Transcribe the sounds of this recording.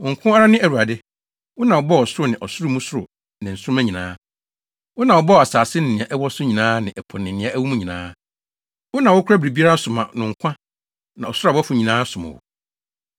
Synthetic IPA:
ʊ˨ŋ̩˨kʷʰʊ̃˦a˦ɾa˦nɪ̃˦æ˨u˨a˨dɪ˦ | wʊ˦nã˨wʊ˨bɔ˦ɔ˨sʊ˦ʊ˦nɪ̃˨ʔɔ˨sʊ˦ɾʊ˦mũ˦sʊ˦ɾʊ˨ | nɪ̃˨n̩˨sʊ˦ʊ˦mã˦ɲĩ˨nãː˦ | wʊ˦nã˨wʊ˨bɔ˦˨a˨saː˨sɪ˦nɪ̃˨nɪ̃˨ã˨ʔɛ˦wɔ˦sʊ˦ɲĩ˨nãː˦nɪ̃˨ʔɛ˨pʰɔ˨nɪ̃˨nɪ̃˨˦ã˦ʔæ˦wu˦mũ˦ɲĩ˨nã̰ː˦ | wʊ˦nã˨wʊ˦kʷʰɾa˦bɾi˨bi˦a˦ɾa˦sʊ˨mã̰˨nʊ̃˨ŋ̩˨kʷʰã˦ | nã˨ɔ˨sʊ˦˨bɔ˦fʊ˨ɲĩ˨nãː˦sʊ˨mã̰˨wʊ̰˨

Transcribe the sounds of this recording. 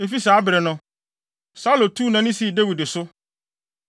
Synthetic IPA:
e˨fi˦saː˨˦bɪ˨ɾɛ˨nʊ̃˨ | sa˦lõ˨tʰu˦nã˨nɪ̃˦si˦˨de˦wi˨de˨sʊ˦

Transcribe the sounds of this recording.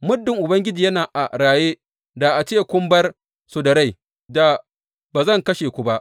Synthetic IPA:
mʊ˦dːɪ˨ŋʔʊ˨bɐ˦ŋɡʲɪ˦d͡ʒiː˨jɐ˦naː˨ʔa˨ɾaː˨jeː˦ | da˨ʔa˨t͡ʃeː˦kʷʊ˦mbɐ˦r | sʊ˨dɐ˨ɾa˦˨ | da˨ | baː˨zɐ˦˨ŋkɐ˦ʃeː˨kʷʊ˦ba˦ʔ

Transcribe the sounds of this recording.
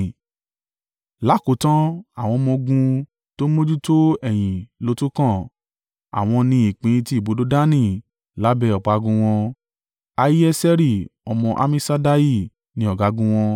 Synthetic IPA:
la˨˦ko˨˦tã˦a˦˨w̃ɔ̃˧mɔ̃˧ɡũ˧ | to˦mo˦d͡ʒu˦to˦ɛ˨j̃ĩ˨lo˨˧˦tu˦kã˦˨ | a̰˨w̃ɔ̃˧nĩ˧i˨k͡pĩ˨˦˧ti˦˨bo˨˦do˦da˦nĩ˦˨ | la˨˦bɛ˧˦ɔ˨k͡pa˨˧ɡũ˧w̃ɔ̃˧ | a˧ji˦ɛ˦sɛ˦ɾi˦˨ɔ˧mɔ̃˧ʔa̰˦mĩ˦sa˦da˦ji˦˨ | nĩ˧˦ɔ˨ɡa˨˦ɡũ˧w̃ɔ̃˧

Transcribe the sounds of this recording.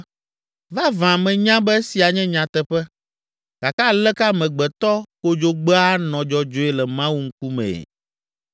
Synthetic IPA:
va˦vã˨mɛ̃˨ɲã˦bɛ˦si˨a˨ɲɛ̃˦ɲã˨t̪ɛ˨ɸɛ˦ | ka˨ka˦lɛ˦ka˦mɛ̃˨ɡ͡bɛ˨t̪ɔ˦ko˦d͡ʒo˦ɡ͡bɛ˦a˦nɔ̃˨d͡ʒɔ˨d͡ʒo˨ɛ˨lɛ˨mã˦wu˦ŋ̩˦k̚u˦mɛ̰̃˨

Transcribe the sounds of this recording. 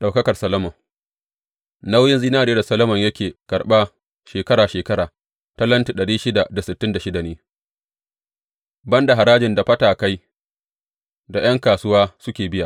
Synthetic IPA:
ɗa˨wkɐ˦kɐ˨rsɐ˦lɐ˦mɐ˨ŋ | na˦wjɪ˦nziː˦naː˦ɾeː˦da˨sɐ˦lɐ˦mɐ˨ɲjɐ˦kʲeː˨kɐ˨ɽɓa˦ | ʃeː˨kɐ˦ɾaː˨ʃeː˨kɐ˦ɽaː˨ | ta˦lɐ˦nti˨ɗɐ˨ɽiː˦ʃɪ˦da˨da˨sɪ˨tːɪ˦nda˨ʃɪ˦da˨neː˦ | bɐ˦nda˨ɦa˨ɾaː˦d͡ʒɪ˨nda˨ɸɐ˦taː˨ka˦j | da˨j̰ɐ˦ŋkaː˨sʊ˦waː˦sʊ˦kʲeː˨bɪ˦ja˨

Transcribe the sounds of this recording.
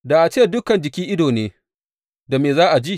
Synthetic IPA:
da˨ʔa˨t͡ʃeː˦dʊ˦kɐ˨nd͡ʒɪ˨kʲiː˦ʔɪ˦doː˨neː˦ | da˨meː˨zaː˦ʔa˨d͡ʒi˦˨

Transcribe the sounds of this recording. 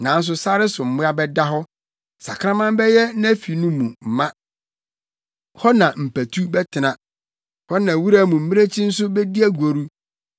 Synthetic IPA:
nã˨n̩˦s̬ʊ˦sa˦ɾɪ˦sʊ˨m̩˨mʊ̃˦a˦bɛ˦da˦ɦɔ˦ | sa˨kʰã˦mã˦m˦bɛ˦jɛ˦nã˦fi˨nũ˦mũ˨m̩˨mã˦ | hɔ˦nã˨m̩˨pæ˨tʰu˦bɛ˦tʰɪ˨nã˨ | hɔ˦nã˨wu˦ɾa˦mũ˨m̩˦mĩ˦ɾe˦t͡ɕʰĩ˦n̩˦s̬ʊ˦bɛ˦di˦æ˦ɡʷo˨ɾu˦

